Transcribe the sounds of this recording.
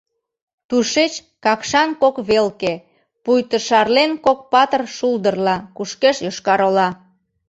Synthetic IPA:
t̪uʃet͡ɕ | kɑkʃɑnkokβelke | pujt̪əʃɑrlenkok̚pɑt̪ərʃuld̪ərlɑkuʃkeʃjoʃkɑɾolɑ

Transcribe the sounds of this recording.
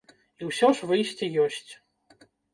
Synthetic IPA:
iwsʲɔʂvɨjsʲt͡sʲijɔsʲt͡sʲ

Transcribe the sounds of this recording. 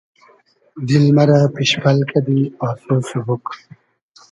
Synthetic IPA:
d̪ilmɐɾapiɕpɐlkɐd̪iɔːsosebuk

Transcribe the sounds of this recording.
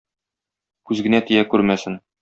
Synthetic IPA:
kʉzɡɘ̆næt̪ĭjækʉɾmæsɘn

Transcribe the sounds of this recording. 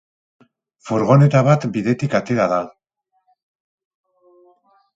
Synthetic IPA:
fuɾɣo̞ne̞t̪aβat̪biðe̞t̪ikat̪e̞ɾaða

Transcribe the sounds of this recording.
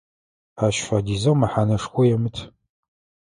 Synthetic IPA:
aːɕfadizɐwmaħanɐʂxʷɔjɛmɨtʰ

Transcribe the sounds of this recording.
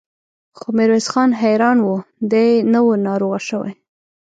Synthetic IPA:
xomɪɾwezxɑnɦajɾɑnwud̪enəwənɑɾoɣaʃəwa̰j

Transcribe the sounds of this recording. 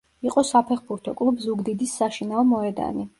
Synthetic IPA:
iqʼɔsapʰɛχbuɾt̪ʰɔkʼlˠubzuɡd̪id̪isːaʃinaɔmɔɛd̪a̰ni

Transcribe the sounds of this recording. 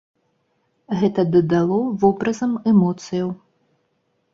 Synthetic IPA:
ɣɛt̪ɐd̪ɐd̪alˠɔvɔbɾɐzɐmɛmɔt̪sɨjɐw

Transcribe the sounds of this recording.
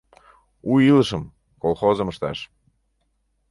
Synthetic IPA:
ujiləʃə̆m | kolˠxozə̆məʃt̪ɑ̰ʃ

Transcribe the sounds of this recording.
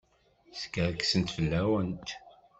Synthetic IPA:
skəɾksənt̪fəlːæwənt̪

